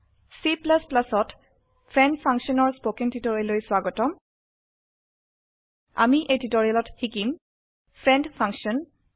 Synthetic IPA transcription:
siplasplasɔt | pʰɹɛndpʰaŋksɔnɔɹspokiŋtitoɹialojswaɡɔtɔm | a̰miʔejtitoɹialɔthikim | pʰɹɛndpʰaŋksiɔn

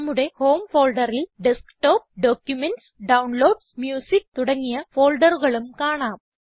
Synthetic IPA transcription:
mːuɽe̞ho̞ːmfo̞ːlɖɐrilɖeskʈoːp̚ɖoːkjumenʈsɖɐwnloːɖsmjuːsik̚t̪uɽɐŋːijɐfo̞ːlɖɐruɣɐɭumkaːɳaːm

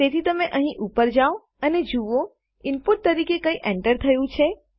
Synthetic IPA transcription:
t̪et̪ʰit̪əmeʔəɦĩʔupəɾd͡ʒao | əned͡ʒuʋo | ɪmpuʈ̚t̪əɾikekəiʔɛ̃ɳʈəɾt̪ʰəjũt͡ʃʰe

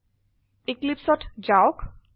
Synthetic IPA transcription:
eklipsɔʈd͡ʑaok

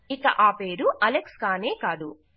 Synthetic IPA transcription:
ikɐ̰ʔaːpeːɾuʔɐlekskaːne̞ːkaːd̪ṵ

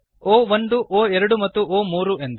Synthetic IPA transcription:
oːʋond̪uʔoːɛɾɐɽumɐt̪ːuoːmuːɾuend̪

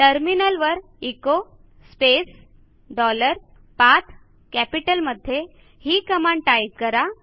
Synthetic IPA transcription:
ʈəɾminəlʋəɾ | iko | spes | ɖɔləɾ | pat̪ʰ | kæpiʈəlməd̪ʱːje | hiːkəmaɳʈajtkəɾa

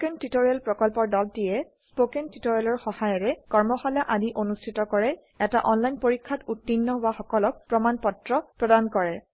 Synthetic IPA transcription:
kɛntitoɹialpɹɔkɔlpɔɹdɔltijɛ | spokɛntitoɹialɔɹxɔhajɔɹɛkɔɹmɔxalaʔadiʔonustʰitɔkɔɹɛ | ɛtaʔɔnlajnpoɹikʰːatutːinːɔbaxɔkɔlɔk̚pɹɔmanpɔtɹɔpɹɔdankɔɹɛ

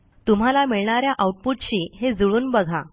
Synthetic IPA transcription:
t̪um̤alamiɭɳaɾjaʔauʈ̚puʈɕiːɦed͡zuɭuːnbəɡʱa

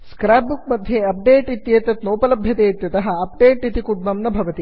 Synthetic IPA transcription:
skɾaːp̚buk̚mɐd̪ʱjeɐp̚ɖeːʈit̪jeːt̪ɐt̪noːpɐlɐbʱjɐt̪eːt̪jɐt̪ɐɦɐ̆ɐp̚ɖeːʈit̪ikuɖmɐmnɐbʱɐʋɐt̪i

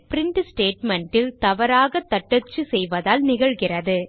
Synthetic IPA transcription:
pɾɪɳʈsʈeːʈmɛɳʈɪlt̪ɐʋɐɾaːɣɐt̪ːɐʈːɐt͡ʃːɯsɛjʋɐðaːlnɪɣɐɭɣɪrɐðɯ

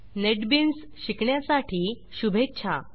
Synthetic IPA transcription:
neʈbins | ɕikɳjasaʈiː | ɕubʱetːt͡ɕʰa̰

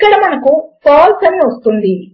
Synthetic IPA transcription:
kːɐɽɐmɐnɐkupaːlsɐniʋɐst̪und̪i

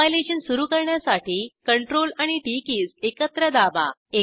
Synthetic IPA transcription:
jleɕənsuɾuːkəɾɳjasaʈiːkəɳʈɾolaɽ̃iʈikiːsekət̪ɾəd̪aba̰e

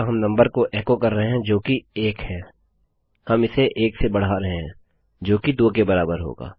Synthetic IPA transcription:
ɦɐmnɐ̃mbəɾkoʔɛːkokɐɾːəɦeɦɛ̃d͡ʒoːkieːkhɛ̃ː | hɐmɪseʔeːksebɐɽ̤aɾɐɦeɦɛ̃ː | d͡ʒoːkid̪oːkebɐɾaːbəɾɦo̰ːɡa̰ː

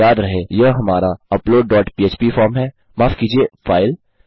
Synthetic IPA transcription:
aːd̪ɾɐɦejɐɦɐmaːɾaɐploːɖ̚ːɔːʈpiːeːt͡ʃpifɔːɾmɦɛː | maːfkiːd͡ʒiefaːɪl

